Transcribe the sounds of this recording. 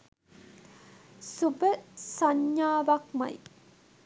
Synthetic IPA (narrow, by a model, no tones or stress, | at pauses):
subəsɐɲːaːʋɐkmɐ̰j